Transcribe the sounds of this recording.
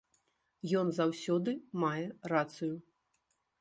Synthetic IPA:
jɔnzawsʲɔd̪ɨmajɛrat̪sɨju

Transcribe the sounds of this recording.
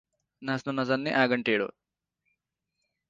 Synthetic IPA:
nɐsnunɐzɐnːiʔaːɡɐɳʈeːɽṵ

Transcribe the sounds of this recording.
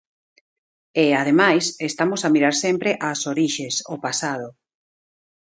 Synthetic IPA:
eað̞emajsest̪amʊsamiɾaɾsɛmpɾeʔasoɾiʃesopasað̞ʊ

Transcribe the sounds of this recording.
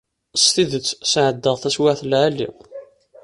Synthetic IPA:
st̪iðət͡sːsʕəd̪ːəʁθæswaʕθəlʕalːḭ

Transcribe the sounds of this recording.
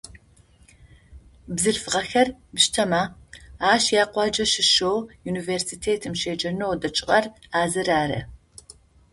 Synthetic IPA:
bzɨɮfɨʁɐxɐrbʃtʰɐmaːaːʃjaːqʷɑːd͡ʒɐʃɪʃowjuːniveːrsiːtʰeːtʰɨmʃeːd͡ʒɐnowdɐt͡ʃʼɪqʼɐraːzɨɾaːɾɐ̰

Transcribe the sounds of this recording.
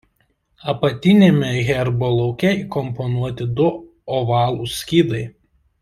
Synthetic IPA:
ɐpɐt̪ʲɪnʲemʲɛɣʲɛɾbolˠɔʊkʲɛiːˑkɔmpɔnuɔt̪ʲɪd̪ʊ | ɔʋɑːlˠʊsʲkʲiːd̪ɐɪ

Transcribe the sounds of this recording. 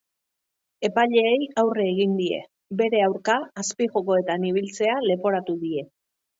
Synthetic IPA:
e̞paʎe̞ːjawreːɣ̞ind̪ie̞̰ | be̞ɾe̞awɾkaːspiʝo̞ko̞e̞t̪aniβ̞ilt͡se̞ale̞po̞ɾat̪uðie̞

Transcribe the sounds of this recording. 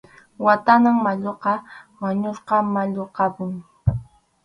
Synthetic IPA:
wat̪anaŋmaʎoqɑmaɲosqɑmaʎoqɑpʊŋ

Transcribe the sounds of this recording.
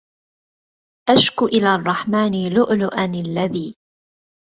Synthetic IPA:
ʔaʃkʊʔɪlaːrˤːɑħmaːnilʊʔlʊʔanalːaðiː

